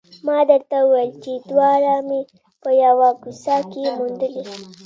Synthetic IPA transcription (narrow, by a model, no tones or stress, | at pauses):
mɑd̪əɾt̪auwejlt͡ʃed̪wɑɾame | pəjawaɡusakemund̪əli